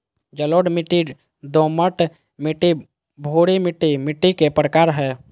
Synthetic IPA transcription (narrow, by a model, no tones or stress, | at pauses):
d͡ʒəloːɽmiʈi | d̪oːməʈ | miʈi | bʱoːɽimɪʈːimɪʈːikepɾəkaːɾɦɛː